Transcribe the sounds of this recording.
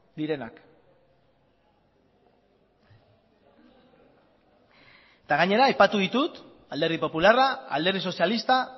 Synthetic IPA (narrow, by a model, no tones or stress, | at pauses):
d̪iɾe̞na̰k | et̪aɣ̞aɲe̞ɾaːjpat̪uðit̪ut̪ | ald̪e̞ɾðipo̞pularaa̰ld̪e̞rðiso̞sialist̪a